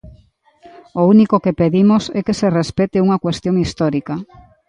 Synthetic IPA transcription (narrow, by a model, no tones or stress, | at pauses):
ounikokepeðimosɛkeserespɛt̪ɪuŋɐkwest̪joŋist̪ɔɾika